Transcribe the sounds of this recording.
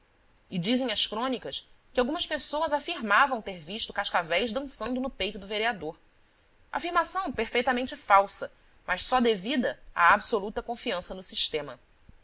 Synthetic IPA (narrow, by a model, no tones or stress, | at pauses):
ɪd͡ʒizẽj̃ɐʃkɾõnikɐskɪawɡũmɐspesowɐzafiɾmavɐ̃w̃t̪eɾviʃt̪ʊkaʃkavɛjzd̪ɐ̃sɐ̃nd̪ʊnʊpejt̪ʊd̪ʊveɾiad̪oɾ | a̰fiɾmasɐ̃w̃peɾfejt̪ɐmẽnt͡ʃɪfawsɐ | mɐʃsɔd̪evid̪ɐa̰absolut̪ɐkõfiɐ̃sɐnʊsiʃt̪ẽmɐ